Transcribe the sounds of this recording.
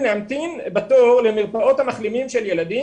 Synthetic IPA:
neamt̪inbat̪oʁlemiʁpaʔo̞t̪hamaχlimimʃeljelad̪i

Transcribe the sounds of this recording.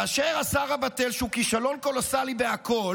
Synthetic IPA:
aːʃeːʁasaʁabatelʃeukiʃalo̞nko̞losalibeakʰo̞l

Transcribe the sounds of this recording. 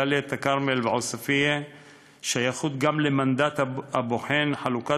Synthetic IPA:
aliet̪akaʁmelveʕosafie | ʃajaχut̪ɡamlemand̪at̪aaboħenħaluka

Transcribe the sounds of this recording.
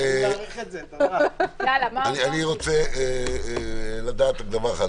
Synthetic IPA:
alamanianiʁot͡se | lad̪aːt̪aɡd̪avaχa

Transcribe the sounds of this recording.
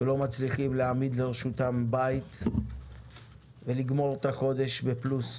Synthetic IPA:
velo̞mat͡sliχimleamid̪leʁeʃutambait̪ | veliɡmo̞ʁt̪aχo̞d̪e̞ʃbeplus

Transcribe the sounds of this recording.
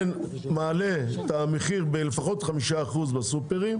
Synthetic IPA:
n | maːlet̪ameχiʁbelefaχo̞t̪χamiʃaːχuzbasupeʁim

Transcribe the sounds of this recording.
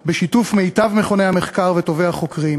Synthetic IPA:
beʃitufme̞jtavmeχo̞nehameχkaʁveto̞veaχo̞kʁim

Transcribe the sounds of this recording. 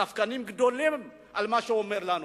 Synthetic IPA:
afḁkanimikid̪onle | a̰limaʃoomeɾlan

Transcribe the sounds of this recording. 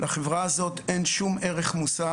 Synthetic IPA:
laχevʁaːzo̞t̪e̞nʃumʔeʁeχmusa

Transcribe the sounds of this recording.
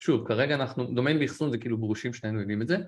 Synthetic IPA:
ʃuvkaʁeɡaːnaχnud̪o̞menbeiχsunzekiilubʁuʃimʃneenojd̪imetze

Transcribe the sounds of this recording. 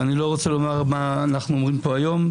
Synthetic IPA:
anilo̞ʁo̞t͡selo̞maʁmaːnaχnuomʁimpo̞ajo̞m

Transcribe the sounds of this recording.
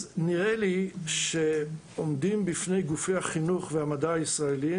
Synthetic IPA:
niʁeliʃe | omdimbifne̞jɡufejhaχinuχvehamadaːisʁaeli

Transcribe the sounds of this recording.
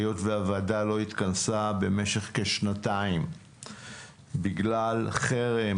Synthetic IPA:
jo̞tveavadalo̞it̪kansabe̞me̞ʃe̞χke̞ʃnataim | biɡlalχeʁe

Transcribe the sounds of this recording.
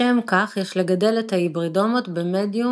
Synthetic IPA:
emkaχjeʃle̞ɡade̞let̪haibʁido̞mot̪bemedju

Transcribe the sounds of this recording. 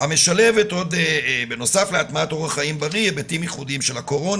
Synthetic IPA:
hame̞ʃale̞veto̞d̪be̞no̞safleatmat̪o̞ʁhaχaimbaʁibetimjiχudimʃelako̞ʁo̞n

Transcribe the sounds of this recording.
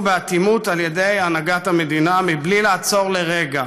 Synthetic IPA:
beat̪imut̪alje̞d̪e̞janaɡat̪hame̞d̪inamiblilaːt͡so̞ʁle̞ʁeɡa

